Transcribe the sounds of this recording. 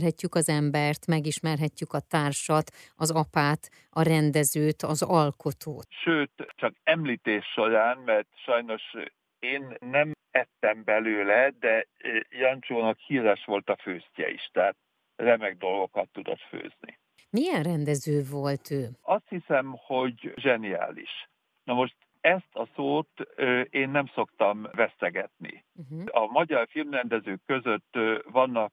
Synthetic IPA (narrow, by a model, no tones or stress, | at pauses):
rɦɛcːykɒzɛmbɛrt̪mɛɡiʃmɛrɦɛcːykɒt̪aːrʃɒt̪ɒzɒpaːt̪ | ɒɾɛnd̪ɛzøːt̪ɒzɒlko̞t̪o̰ːʃøːt̪t͡ʃɒkɛmliːt̪eːʃːo̞ɾaːnmɛrt̪ʃɒjno̞ʃ | eːnːɛmɛt̪ːɛmbɛløːlɛd̪ɛjɒnt͡ʃoːnɒkhiːɾɛʃʋo̞lt̪ɒføːscɛ̰ḭʃt̪ɛːt̪̚ | rɛmɛɡ̚d̪o̞lɡo̞kɒt̪ːud̪o̰t̪fø̰ːznḭ | mijɛnrɛnd̪ɛzøːvo̞lt̪øːɒst̪hisɛmho̞ɟʒɛnia̰ːlḭʃ | nɒmo̞ʃt̪ | ɛst̪ɒsoːt̪ːeːnːɛmso̞kt̪ɒmvɛst̪ɛɡɛt̪nḭ | ɒmɒɟɒrfilmrɛnd̪ɛzøːkːø̞zø̞t̪ːvɒnːɒk̚